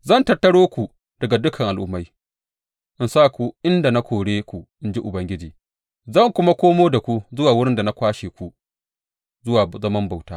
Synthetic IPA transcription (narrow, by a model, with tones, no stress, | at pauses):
zɐ˦˨ntɐ˨rtɐ˦ɽoː˦kʷu˨ | d̥ɐ˨ɡa˨dʊ˦kʰɐ˨ŋʔa˨lʔʊ˦mːa˦j | ʔɪ˨nsaː˦kʷu˨ʔɪ˦nda˨na˦kʷoː˨ɽeː˦kʷu˨ʔɪ˦nd͡ʒi˦ʔʊ˨bɐ˦ŋɡʲɪ˦d͡ʒiː˨ | zɐ˦˨ŋkʷʊ˦ma˦kʷoː˦moː˦da˨kʷu˦zʊ˦waː˨wʊ˦ɽɪ˦nda˨na˦kʷaː˦ʃeː˨kʷu˦ | zʊ˦waː˨zɐ˦mɐ˦mba˨wtaː˦